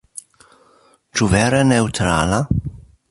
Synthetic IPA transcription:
t͡ʃuvɛɾɛnɛwt̪ɾa̰ːla

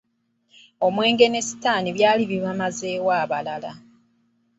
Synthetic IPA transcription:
o̞mwe̞ːŋɡe̞ne̞si̥taːniβjaːliβiβamaze̞ːwaːβalala̰

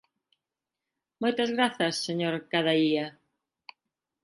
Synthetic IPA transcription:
mojt̪ɐzɣɾaθɐsːeɲoɾkaðɐiɐ

